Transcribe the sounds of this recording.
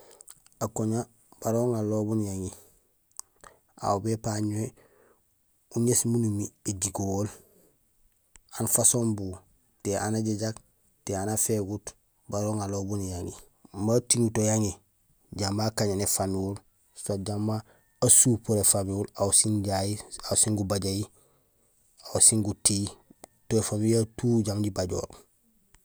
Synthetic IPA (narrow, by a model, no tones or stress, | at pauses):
akoɲa | b̥aɾoːŋalobunjaŋi | a̰wbepaɲue | uɲesmunumieɟiɡoːl | anfasombu | teʔanaɟeɟak | teanafeɡut | baɾoːŋalobunjaŋi | matiŋutojaŋi | ɟambaːkaɲanefanuːl | saɟamːa | asuːpoɾefamuːlawsinɟajiasiŋɡubaɟaji | awsiŋɡutiːtoefanujatuːɟamɟibaɟo̰ːɾ